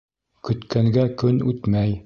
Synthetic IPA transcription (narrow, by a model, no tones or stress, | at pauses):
kɵ̆t̪kæŋɡækɵnʉt̪mæj